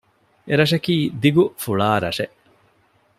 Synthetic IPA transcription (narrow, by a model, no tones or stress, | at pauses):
eɾɐʂ̬ɐkiːd̪iɡufuɭaːɾɐʂeʔ